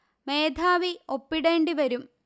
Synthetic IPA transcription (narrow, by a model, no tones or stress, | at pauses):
me̞ːd̪ʱaːʋio̞pːiɽe̞ːɳɖiʋɐɾum